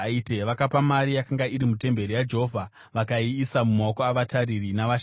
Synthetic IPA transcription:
aiteʋakapamaɾijakaŋɡaiɾimute̞mbe̞ɾijad͡ʒeɦovʱa | ʋakaiːsamumaokoaʋataririnaʋaʃ

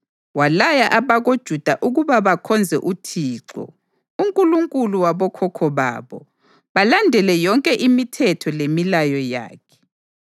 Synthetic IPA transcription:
walajaʔaβaɣod̥ʒ̥ʱud̥ʱaʔuɣuβaβakʰɔnd͡zʱɛʔutʰiːǁɔ̰ | uŋkʼuluŋkʼuluwaβɔkʰɔkʰɔβa̰ːβɔ | βalandʱɛlɛjɔŋkʼɛʔimitʰɛtʰɔlemilajɔja̰ːkʰɛ̥

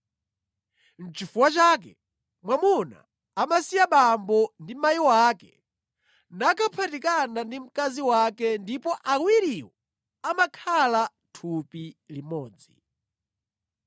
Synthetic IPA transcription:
n̩t͡ʃifuwat͡ʃak̬ɛ | mwamuna̰ː | masijaɓambɔndimajiwakɛ | nakʰapʰatikanandim̩kaziwakɛndipɔʔakwiɾiwɔ | amakʰala | tʰupilimɔːd͡zḭ

